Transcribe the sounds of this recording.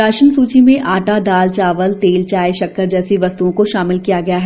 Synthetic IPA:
aːʃənsuːt͡ʃimẽʔaːʈad̪aːlt͡ʃaːʋəlt̪eːlt͡ʃaːjʃɐkːəɾd͡ʒɛːsiʋɐst̪uõkoʃaːmɪlkijaɡɐjaɦɛ

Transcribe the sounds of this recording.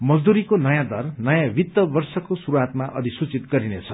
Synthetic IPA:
mʌd͡zd̪uɾikonʌjãd̪ʌrnʌjãbʱit̪ːʌbʌrsʌkosuɾuɦat̪maʔʌ̰d̪isut͡sit̪ɡʌɾinet͡sʰʌ̥

